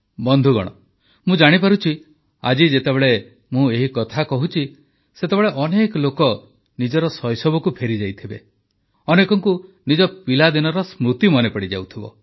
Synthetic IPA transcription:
bɔnd̪ʱuɡɔ̰ɽ̃ɔ | mũd͡ʒaɽ̃ipaɾut͡ʃʰi | a̰d͡ʒid͡ʒet̪ebeɭe | mũeɦikɔt̪ʰakɔɦut͡ʃʰi | set̪ebeɭeʔɔnekɔlokɔ | nid͡ʒɔɾɔsɔjsɔbɔkupʰeɾid͡ʒajt̪ʰibḛ | ɔnekɔŋku | nid͡ʒɔpilad̪inɔɾɔsmɾut̪imɔnepɔɽid͡ʒa̰wt̪ʰibɔ̰

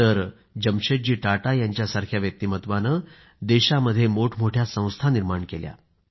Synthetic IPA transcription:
t̪əɾ | d͡ʑəmɕed͡ʑiːʈaʈajaɲt͡ɕjasaɾkʰjaʋjək̚t̪imət̪ʋanə | d̪eɕaməd̪ʱːjemoʈʰmoʈʰjasə̃w̃st̪ʰaniɾmaɳkelja̰

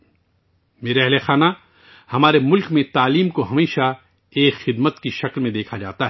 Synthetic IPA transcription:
meːɾeɛɦlexaːna | hɐmaːɾemʊlkmẽt̪aːliːmkoɦɐmeːʃa | eːkxɪd̪mət̪kiʃɐklmẽd̪eːkʰad͡ʒa̰ːt̪aɦɛ

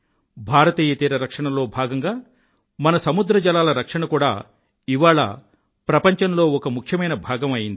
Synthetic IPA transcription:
bʱaːɾɐt̪iːjɐt̪iːɾɐɾɐkʂɐɳɐlo̞ːbʱaːɡɐŋɡaː | mɐnɐsɐmud̪ɾɐd͡ʒɐlaːlɐɾɐkʂɐɳɐkuːɽa̰ː | iʋaːɭɐ̰ | pɾɐpɐɲt͡ʃɐnlo̞ːɔkɐmukʰjɐmɐjnɐbʱaːɡɐmɐjind̪i

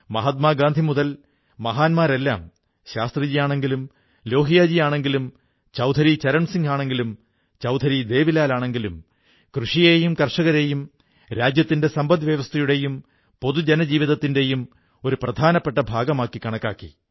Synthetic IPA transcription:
mɐɦɐt̪̚maːɡaːnd̪ʱimuðɐl | mɐɦaːnmaːɾe̞lːa̰ːm | ɕaːst̪rɐd͡ʑijaːɳe̞ŋɡilum | lo̞ːɦijaːd͡ʑijaːɳe̞ŋɡilum | t͡ɕɐwd̪ʱɐɾit͡ɕɐɾɐɳsiŋɡaːɳe̞ŋɡilum | t͡ɕɐwd̪ʱɐɾid̪e̞ːʋilaːlaːɳe̞ŋɡilum | krɨʂijeːjumkɐrʂɐɣɐɾe̞jum | ɾaːd͡ʑjɐt̪ːinde̞sɐmbɐd̪ʋjɐʋɐst̪ʰɐjuɽe̞jum | po̞ðud͡ʑenɐd͡ʑiːʋiðɐt̪ːinde̞jum | o̞ɾuprɐd̪ʱaːnɐpːeʈːɐbʱaːɡɐmaːkːikɐɳɐkːaːkːḭ

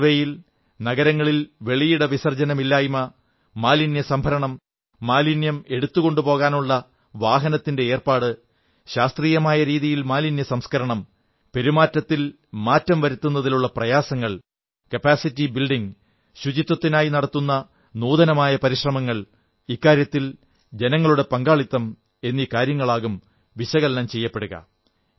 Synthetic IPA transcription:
ʋejil | nɐɣɐɾɐŋːɐɭilʋe̞ɭijuɽɐʋisɐrd͡ʑɐnɐmilːaːjumɐ | maːlinjɐsɐmbʱɐɾɐɳɐmː | aːlinjɐme̞ɽut̪ːuɣo̞ɳɖupo̞ːɣaːnuɭːɐ | ʋaːɦɐnɐt̪ːinde̞eːrpaːɽɨ | ɕaːst̪riːjɐmaːjɐɾiːðijilmaːlinjɐsɐmskɐɾɐɳɐm | pe̞ɾimaːtːɐt̪ːil | maːtːɐmʋɐɾut̪ːunːɐðiluɭːɐprɐjaːsɐŋːɐɭ | kɐpaːsitːibilɖiŋ | ɕud͡ʑit̪ːɐt̪ːinaːjinɐɽɐt̪ːunːɐ | nuːðɐnɐmaːjɐpɐɾiɕrɐmɐŋːɐɭ | ikːaːɾjɐt̪ːil | d͡ʑe̞nɐŋːɐɭuɽe̞pɐŋɡaːɭit̪ːɐm | e̞nːiːkaːɾjɐŋːɐɭaːɣum | ʋiɕɐɣɐlɐnɐmt͡ɕe̞jːɐpːe̞ɽuɣɐ̰

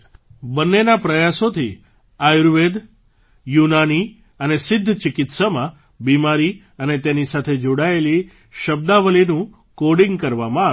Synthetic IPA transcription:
bənːenapɾəjasot̪ʰi | ajɾʋed̪ | junani | ənesɪd̪ʱːt͡ʃɪkɪt̪samã | bimaɾi | ənet̪enisat̪ʰed͡ʒoɽaeli | ʃəb̚d̪aʋəlinũ | koɽĩŋɡkəɾʋamãa

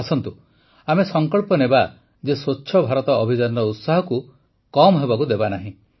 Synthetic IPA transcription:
asɔnt̪u | amesɔŋkɔɭpɔneba | d͡ʒesotːʃʰɔbʱaɾɔt̪ɔːbʱid͡ʒanɔɾɔut̪saɦɔku | kɔmɔɦebakud̪ebanaɦĩ

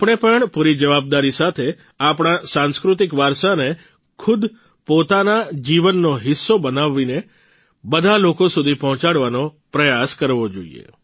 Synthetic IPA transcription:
apɳ̃epəɳpuɾid͡ʒəʋab̚d̪aɾisat̪ʰe | apɽ̃asãnskɾut̪ikʋaɾʃane | kʰʊd̪ | pot̪anad͡ʒiʋənːoɦɪsːobənaʋːine | bəd̪ʱalokosud̪ʱipɔɦɔ̃t͡ʃaɽʋanopɾəjaskəɾʋod͡ʒo̰ḭḛ

